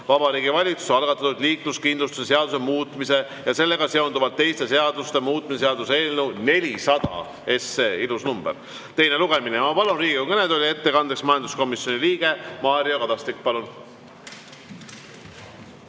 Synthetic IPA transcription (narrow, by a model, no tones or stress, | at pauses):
vɑbɑɾiːɡivɑlʲit̪su̥seɑlɡ̥ɑt̪ːˑɑt̪ud̪̥liːkluskind̪lust̪u̥sese̞ɑd̪̥use̞muːt̪ːˑmise̞ | jɑse̞lːe̞ɡ̥ɑse̞ond̪uvɑlt̪ːe̞jst̪e̞se̞ɑd̪̥ust̪e̞muːt̪̚ːˑmises̬eɑd̪use̞ːlnewne̞lʲisɑd̪̥ɑ̰ | e̞sːeːilusnumb̥eɾ | t̪e̞jne̞luɡ̥e̞minemɑpɑlunriːɡiokɤned̪o̞lʲie̞t̪ːe̞kɑnd̪eksmɑjɑnd̪usko̞misjo̞niliːɡ̥e̞mɑːɾiokɑd̪ɑst̪ik̚ːpɑlun